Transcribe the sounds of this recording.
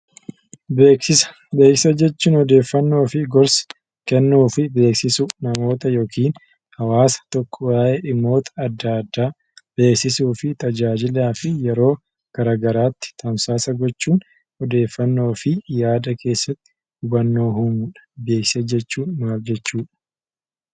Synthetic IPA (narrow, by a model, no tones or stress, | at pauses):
bkɪs | be̞ːkɪsɐd͡ʒɛt͡ʃːuːnhɔd̪e̞ːfːɐnːo̞ːfɪɡɔɾsɐ̥ | kɛnːuːfɪbe̞ːksɪsʊnɐmo̞ːt̪ɐjo̞ːkiːn | hɐwaːsɐ̥t̪ɔkːɔwaːʔeʔɪmːo̞ːt̪ʰɐ̥ːd̪ːad̪ːaː | b̥e̞ːksɪsuːfɪt̪ɐd͡ʒaːd͡ʒɪlaːfɪjɛɾo̞ː | ɡ̥ɐɾaːɡɐɾaːt̪ːɪ̥t̪ʰɐmsaːsɐɡɔt͡ʃːuːn | hɔd̪e̞ːfːɐnːo̞ːfɪjaːd̪ɐkʰe̞ːsːɐt̪ːɪ̥ | hʊbɐnːo̞ːɦʊmʊᶑɐ̥be̞ːkssɐd͡ʒɛt͡ʃːuːnmaːld͡ʒɛt͡ʃːuːᶑɐ̥